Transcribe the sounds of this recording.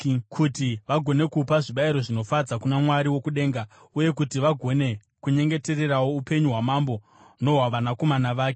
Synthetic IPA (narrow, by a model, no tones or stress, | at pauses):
kʰutiʋaɡʱo̞ne̞kupaʐiɓaiɾo̞ʐino̞fad͡zakunamwaɾiwokuɗe̞ːŋɡa | uje̞kutiʋaɡʱo̞ne̞ | kuɲe̞ŋɡe̞te̞re̞rawoupe̞ɲuɦwamambo̞ | no̞ɦwaʋanako̞manaʋaːke